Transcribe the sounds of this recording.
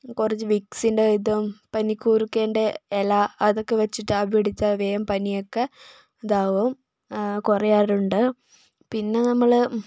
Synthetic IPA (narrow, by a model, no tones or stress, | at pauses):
kurɐt͡ɕːɨʋiksinɖeid̪ɐmpɐnikʲːuːrikːeːɳɖeelaɐðokːeʋɐt͡ɕːiʈːɨaːbeɽit͡ɕːɐʋejɐmpɐnijokːe | d̪aːʋɐm | kurɐjaːɾuɳɖɨ | pinːe̞nɐmːɐɭ